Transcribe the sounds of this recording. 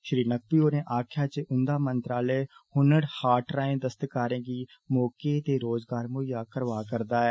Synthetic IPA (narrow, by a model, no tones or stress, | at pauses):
ʃɾiːnək̚pioːneːʔaːkʰjaːt͡ʃeʔʊ̃nd̪aːmə̃nt̪ɾaːlehʊnəɽhaːʈɾaːẽːd̪əst̪əkaːɾẽːki | mɔːket̪eːɾoːzɡaːɾmʊjaːkəɾʋaːkəɾd̪aːɦɛː